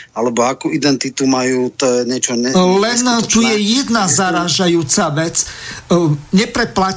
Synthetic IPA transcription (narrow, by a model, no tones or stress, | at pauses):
alɛbɔakuid̪ɛnt̪it̪umajuːt̪ɔɲɛt͡ʃɔɛlɛnt̪ujɛjɛd̪nazaɾaːʒajuːt͡saʋɛt͡s | ɲɛpɾɛpla